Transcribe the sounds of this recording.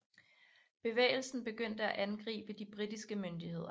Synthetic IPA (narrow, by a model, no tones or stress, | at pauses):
b̥e̝ʋḛːɪl̩sn̩b̥e̝ɡ̥øn̰d̥əæʔænɡ̥ʁḭːb̥əd̥ib̥ʁid̥isɡ̥əmønd̥ihe̝ð̞̰ˠɐ